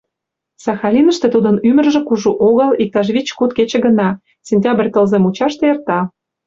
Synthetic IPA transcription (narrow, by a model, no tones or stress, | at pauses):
sɑxɑlʲinə̆ʃt̪ĕt̪ud̪ə̆nymə̆rʒĕkuʒuʔoɣə̆lik̚t̪ɑʒβit͡ɕkut̪ket͡ɕĕɡə̆nɑ | sʲenʲtʲɑbrʲt̪ə̆lzemut͡ɕɑʃt̪ĕert̪ɑ